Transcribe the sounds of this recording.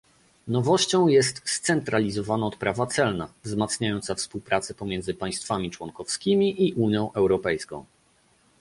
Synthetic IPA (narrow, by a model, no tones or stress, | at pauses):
nɔvɔɕt͡ɕɔ̃w̃jɛst̪st̪sɛnt̪ɾalʲizɔvanaɔt̪̚pɾavat̪sɛlnavzmat̪sɲajɔnt̪safspuwpɾat̪sɛpɔmʲjɛnzɘpaj̃st̪famʲit͡ʂwɔnkɔfskʲimʲiʔiʔuɲjɔ̃w̃ʔɛwɾɔpɛjskɔ̰̃w̃